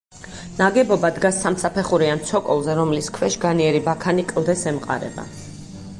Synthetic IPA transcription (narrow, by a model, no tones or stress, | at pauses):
naɡɛbɔbad̪ɡasːamsapʰɛχuɾiant̪sʰɔkʼɔlˠzɛɾɔmliskʰwɛʃɡaniɛɾibakʰanikʼlˠd̪ɛsɛmqʼa̰ɾɛ̰ba̰